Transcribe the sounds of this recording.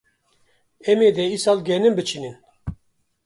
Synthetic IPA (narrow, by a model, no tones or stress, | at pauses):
ɛmeːd̪ɛisɑːlɡɛnɨmbɨt͡ʃʰinin